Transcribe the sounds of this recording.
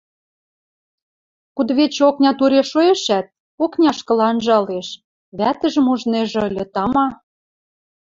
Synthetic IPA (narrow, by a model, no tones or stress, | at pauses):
kud̪βet͡ɕoknʲɑt̪uɾʲeʃoĕʃæt̪̚ | oknʲɑʃkɤ̆lɑnʒɑleʃ | βæt̪ə̆ʒə̆muʒneʒɤ̆lʲɤ̆t̪ɑmɑ